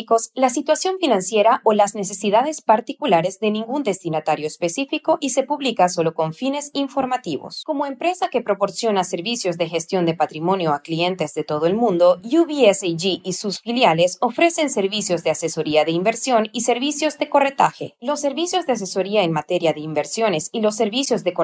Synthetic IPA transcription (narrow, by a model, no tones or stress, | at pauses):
ko̞slasit̪wasjo̞ɱfinãnsje̞ɾaʔolazne̞se̞siðaðe̞spaɾt̪ikulaɾe̞zðe̞nĩŋɡund̪e̞st̪inat̪aɾjo̞espe̞sifiko̞ʔise̞puβlikaso̞lo̞ko̞ɱfine̞siɱfo̞ɾmat̪iβo̰sko̞moe̞mpɾe̞sake̞pɾo̞po̞ɾsjo̞nase̞ɾβisjo̞zðe̞xe̞st̪jo̞nd̪e̞pat̪ɾimo̞njo̞aklie̞nt̪e̞zðe̞t̪o̞ðoe̞lmũnd̪o̞juβieseʝiːsusfiljale̞so̞fɾe̞se̞nse̞ɾβisjo̞zðease̞so̞ɾiaðe̞imbe̞ɾsjo̞nise̞ɾβisjo̞zd̪e̞ko̞re̞t̪axelo̞sːe̞ɾβisjo̞zðeas̬e̞so̞ɾiaenmat̪e̞ɾjaðe̞imbe̞ɾsjo̞ne̞silo̞s̬ːe̞ɾβisjo̞zðeko